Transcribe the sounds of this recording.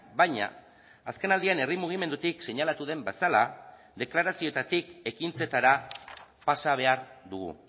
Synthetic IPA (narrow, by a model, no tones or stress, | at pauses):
bajɲa̰ː | ske̞nald̪iane̞rimuɣ̞ime̞nd̪ut̪ikse̞ɲalat̪uðe̞mbe̞sala | ðe̞klaɾasio̞t̪at̪ike̞kint͡se̞t̪aɾapasaβ̞e̞aɾd̪uɣṵ